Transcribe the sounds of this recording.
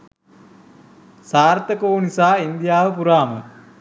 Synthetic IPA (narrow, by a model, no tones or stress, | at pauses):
saːɾt̪əkoːnisaːind̪ijaːʋəpuɾaːmə